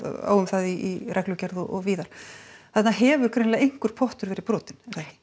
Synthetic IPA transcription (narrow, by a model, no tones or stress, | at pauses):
a̰ːwʏmθaðiːrʔɛklʏcɛɾðɔɔɣviːðaɾ̥θɛt̪naɦɛːvʏɾ̥kʰɾejnlaɣejŋ̥kʏɾ̥pʰɔht̪ʏɾvɛːɾɪpɾɔːt̪ɪnɛɾ̥θa